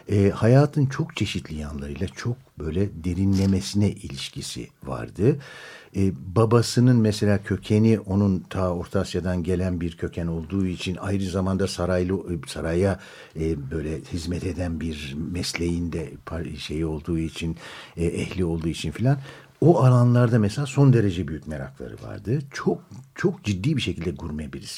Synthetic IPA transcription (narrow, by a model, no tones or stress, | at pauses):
ɛːhajaːt̪ʰɯnt͡ʃʰo̞kt͡ʃʰe̞ʃit̪ʰlʲijanlˠaɾɯ̰jlˠat͡ʃʰo̞k̚bø̞jlʲɛd̪e̞ɾinlʲe̞me̞sinɛʔilʲiʃcʰisḭva̰ɾd̪ɯ | ɛbabasɯnɯnmɛse̞lʲaːcʰø̞cʰe̞niʔo̞nunt̪ʰaːo̞ɾt̪ʰasjad̪anɟe̞lʲænbiɾcʰø̞cʰæno̞lˠd̪uːit͡ʃʰinajɾɯzamand̪asaɾajlˠɯsaɾaja | bø̞jlʲɛhizmɛt̪ʰe̞d̪ænbiɾmɛslʲe̞jind̪ɛpʰaʃe̞jio̞lˠd̪uːit͡ʃʰinɛɛhlʲio̞lˠd̪uːit͡ʃʰinfilʲan | oalˠanlˠaɾd̪amɛselʲaːso̞nd̪e̞ɾe̞d͡ʒɛbyjykc̚ʲme̞ɾa̰klˠa̰ɾɯ̰va̰ɾd̪ɯt͡ʃʰok̚t͡ʃʰo̞k̚d͡ʒid̪ːiːbiʃe̞cʰilʲd̪ɛɡuɾmabiɾis